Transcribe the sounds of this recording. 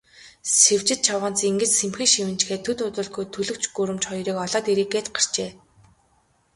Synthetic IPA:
sew̥t͡ɕɪ̆t̪̚t͡ɕʰawə̆ːnt͡seŋɡɘ̆t͡ɕsemxɘ̆ŋʃiwɘ̆nt͡ɕxeːt̪ʰːɵt̪ʊt̪ʊ̆ːɮɡujt̪ʰɵɮɵ̆kt͡ɕɡɵɾɘ̆mt͡ɕχɔjɾiːkɔɮɔːt̪iɾiːkːeːt̪̚ɢar̥t͡ɕeː

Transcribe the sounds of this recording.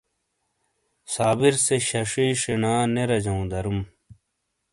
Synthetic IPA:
saːbiɾseɕɐʂiːʂinaːneɾɐd͡ʑɐũd̪ɐɾum

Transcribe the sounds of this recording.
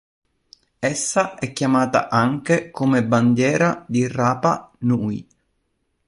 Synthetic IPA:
ɛsːaɛkːjamaːt̪a̰ʔaŋkekomeband̪jɛːɾad̪iraːpanuːi

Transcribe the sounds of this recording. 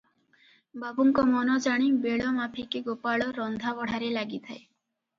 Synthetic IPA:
babuŋkɔmɔnɔd͡ʒaɽ̃ibeɭɔmapʰikeɡopaɭɔɾɔnd̪ʱabɔɽ̤aɾelaɡit̪ʰae

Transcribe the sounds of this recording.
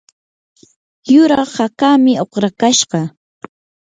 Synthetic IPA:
jʊɾɑχhakaːmɪoχɾakaʃɢɑ

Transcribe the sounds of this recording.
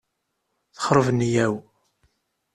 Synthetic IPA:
θə̥χɾˤəvənːjæw

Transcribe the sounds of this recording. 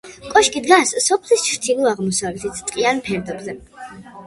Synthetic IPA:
kʼɔʃkʼid̪ɡasːɔpʰlist͡ʃʰɾt̪ʰilˠuaʁmɔsavlɛt̪ʰit̪sʰt̪ʼqʼianpʰɛɾd̪ɔbzɛ

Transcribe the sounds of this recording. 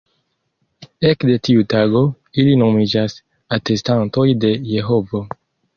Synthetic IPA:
e̞kde̞tiutaɡo̞ | ilino̞mid͡ʒas | ate̞stanto̞jde̞je̞ɦo̞vo

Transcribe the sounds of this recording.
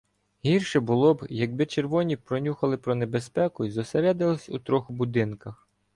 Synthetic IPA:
ɦʲirʃɛbʊlˠɔbjɐɡ̚bɪt͡ʃerʋɔnʲipɾɔnʲuxɐlˠɪpɾɔnebespɛkʊizɔseɾɛd̪ɪlˠɔsʲut̪ɾɔxbʊd̪ɪnkɐx

